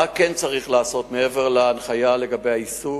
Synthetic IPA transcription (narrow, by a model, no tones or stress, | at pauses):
akent͡saʁiχlaːso̞tmee̞ve̞ʁlaːnχajale̞ɡabejaisu